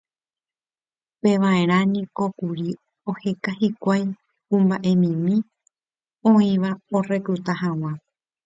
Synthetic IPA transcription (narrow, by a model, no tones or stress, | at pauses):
peʋaẽ̞ɾ̃ãnĩko̞kuɾi | o̞he̞kahikʷaj | kũmbaʔe̞mĩmĩ | õĩʋaore̞kɾut̪aɦãw̃ã